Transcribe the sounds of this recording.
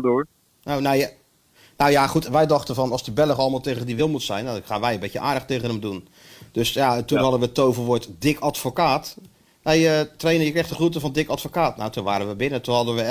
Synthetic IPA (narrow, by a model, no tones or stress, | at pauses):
do | nowne | nowjaχutʋɛjdɑχtənvɔnɑlˠsdəbɛlˠəχɑlˠmaːlˠteːɣəndiʋɪlˠmutsɛjnaχaːnʋɛjənbɪtəʔaːdəχteɣənəmdun | d̥øsjatunɦɑdənʋətowvəlʋʊtdɪkatfokaːt | ʋɛjətrejnəjəkrɛχtəχrutəvɔndɪkatfokaːtnawtunʋaːɾənʋəbɪnətunɦɑdənʋə